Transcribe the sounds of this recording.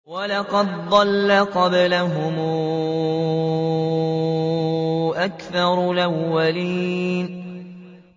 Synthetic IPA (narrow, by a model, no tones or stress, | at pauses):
walɑqɑd̪̚d̪ˤɑlːaqɑblaɦʊm | ʔakθɑɾˤlʔawːaliːn